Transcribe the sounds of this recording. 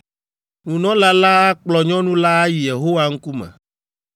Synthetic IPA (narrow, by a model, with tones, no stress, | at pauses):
nũ˨nɔ̃˦la˦la˦k͡plɔ˨ɲɔ̃˦nũ˦la˦ji˨je˨ɦo˦wa˦ŋ̩˦ku˦mɛ̰̃˨